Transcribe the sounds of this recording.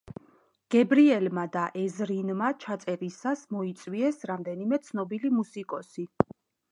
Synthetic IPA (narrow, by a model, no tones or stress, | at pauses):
ɡ̥ɛbɾiɛlmad̪aʔɛzɾinmat͡ʃʰat̪sʼɛɾisasmɔit̪sʼwiɛsɾamd̪ɛnimɛt̪sʰnɔbilimusikʼɔsi